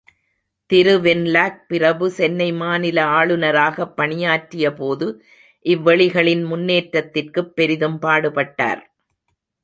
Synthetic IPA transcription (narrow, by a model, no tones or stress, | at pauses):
t̪ɪɾɯʋɛnlaːk̚pɪrɐʋɯsɛnːɐɪmaːnɪlɐaːɭɯnɐɾaːɣɐpːɐɳɪjaːʈɾɪjɐpoːðɯ | ʔɪʋːɐɭɪɣɐɭɪnmʊnːeːʈɾɐt̪ːɪrkɯpːɛɾɪðɯmpaːɽɯpɐʈːa̰ːɾ